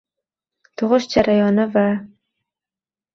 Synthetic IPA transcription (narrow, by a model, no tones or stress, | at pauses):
t̪ʰʊʁɨʃd͡ʒaɾʔajɒnɪva